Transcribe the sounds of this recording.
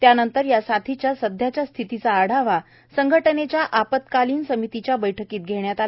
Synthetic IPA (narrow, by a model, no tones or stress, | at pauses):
t̪janənt̪əɾjasat̪ʰit͡ɕjasəd̪ʱjat͡ɕjast̪ʰit̪it͡saːɽ̤aʋa | səŋɡʱəʈənet͡ɕjaʔapət̪kaliːnsəmit̪it͡ɕjabəjʈʰəkiːt̪̚ɡʱeɳjat̪a